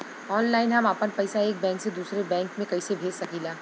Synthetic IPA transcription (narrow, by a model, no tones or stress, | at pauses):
ɔːnlaːɪnɦɐmaːpənpɐɪsaeːk̚bɛ̃ːŋksed̪uːsɾebɛ̃ːŋkmẽkɐɪsebʱeːd͡ʒsɐkiːlaː